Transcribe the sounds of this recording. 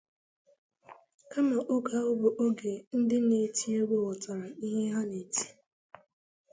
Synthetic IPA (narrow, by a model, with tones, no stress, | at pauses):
ka˦ma˨ʔo˦ɡa˨ʊ˦bo˨ʔo˦ɡe˨n̩˦dɪ˦ne˨˦˨ti˦e˦ɡ͡bʷo˦ʊ˨tɔ˨ɾa˨ni˦ɦe˦ɦa˦ne˨ti̥˦